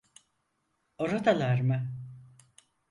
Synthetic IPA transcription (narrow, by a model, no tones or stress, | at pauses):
oɾod̪alˠaɾmɯ